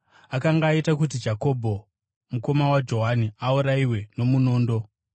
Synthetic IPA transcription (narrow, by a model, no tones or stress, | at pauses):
akaŋɡaːitakut̬id͡ʒako̞bʱo̞ | muko̞mawad͡ʒo̞ɦaniauɾaiwe̞no̞muno̞ːndo̞